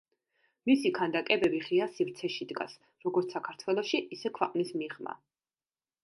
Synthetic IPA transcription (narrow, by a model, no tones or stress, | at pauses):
misikʰand̪akʼɛbɛbiχiasivɾt̪sʰɛʃid̪ɡa̰s | ɾɔɡɔɾt̪ssakʰaɾt̪ʰwɛlˠɔʃiʔisɛkʰwɛqʼnismiʁma̰